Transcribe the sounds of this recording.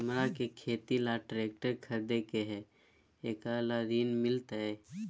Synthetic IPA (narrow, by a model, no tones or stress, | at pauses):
mɾakekʰeːt̪ilaʈɾeːkʈəɾkʰəɾd̪ekeɦɛ | eːkalad̪iːnmɪlt̪ɛ